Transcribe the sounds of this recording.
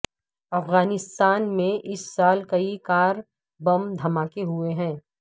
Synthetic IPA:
ɐfɣaːnɪst̪aːnmẽʔɪsːaːlkɐikaːɾ | bɐmd̪ʱɐmaːkeɦueɦɛ̃ː

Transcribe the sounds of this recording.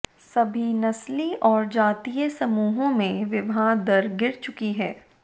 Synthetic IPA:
sɐbʱinɐsliɔːɾd͡ʒaːt̪ijəsɐmuːɦõmẽʋɪbʱaːd̪ɐɾɡɪɾt͡ʃʊkiɦɛː

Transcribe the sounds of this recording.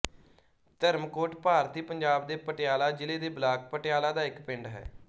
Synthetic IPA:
t̪əɾmkoːʈpaːɾt̪iːpəɲd͡ʒaːbd̪eːpəʈɪjaːlaːd͡ʒɪleːd̪eːblaːk̚pəʈɪjaːlaːd̪aːɪkpɪ̃ɳɖɦɛ̰ː

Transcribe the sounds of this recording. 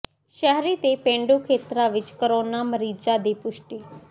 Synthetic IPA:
ʃɛɦɾiːt̪eːpẽːɳɖoːkʰeːt̪ɾaːʋɪt͡ʃkəɾoːnaːməɾiːd͡ʒaːd̪iːpʊʃʈiː

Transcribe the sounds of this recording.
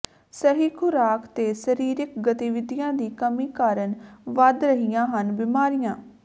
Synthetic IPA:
səɦiːkʰʊɾaːkt̪eːsəɾiːɾɪkɡət̪iʋɪd̪ijãːd̪iːkəmiːkaːɾənʋəd̪ɾəɦijãːɦənbɪmaːɾijãː

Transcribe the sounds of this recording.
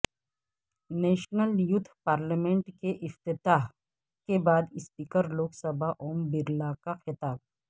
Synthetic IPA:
neːʃnəljʊt̪ʰːpaːɾlamẽɳʈkeʔɪft̪ɪt̪aːɦ | kebaːd̪ɪspiːkəɾloːksəbaʔoːmbɪɾlakaxɪt̪aːb̚

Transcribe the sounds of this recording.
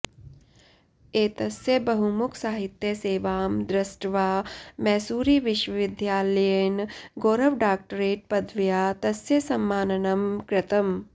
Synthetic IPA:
eːt̪ɐsjɐbɐɦumukʰsaːɦit̪jɐseːʋaːmd̪ɾɐsʈʋaːmɛːsuːɾiːʋɪʃʋɐʋɪd̪ʱjaːlɐjenɡoːɾɐʋɖaːk̚ʈəɾeːʈ̚pɐd̪ʋjaːt̪ɐsjɐsɐmːaːnɐnɐmkɾɪt̪ɐm

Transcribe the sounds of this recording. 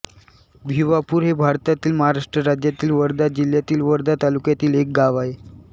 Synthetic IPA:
bʱiʋapuːɾɦebʱaɾt̪at̪iːlməɦaɾaʂʈɾəɾad͡ʑjat̪iːlʋəɾd̪ad͡ʑil̤jat̪iːlʋəɾd̪at̪alukjat̪iːlek̚ɡaʋaɦe

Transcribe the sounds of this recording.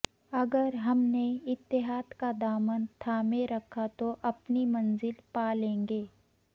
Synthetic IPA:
ɐɡəɾɦɐmneɪt̪ːɪɦaːd̪kad̪aːmənt̪ʰaːmẽɾɐkʰːat̪oʔɐpnimɐ̃nzɪlpaːlẽːŋɡeː

